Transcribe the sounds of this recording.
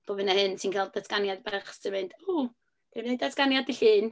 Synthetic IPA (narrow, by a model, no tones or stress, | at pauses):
b̥ovɨnahɨnsʰinkʰɛlˠdatʰɡ̥anjad̚baχstɪmɨnd̥u | d̥ewnedatʰɡ̥anjadiɬiːn